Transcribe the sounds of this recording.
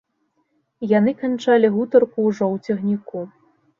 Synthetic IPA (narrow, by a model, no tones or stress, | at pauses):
janɨkant͡ʂalʲiɣut̪ɐrkuːʐɔwt͡sʲɛɣnʲiku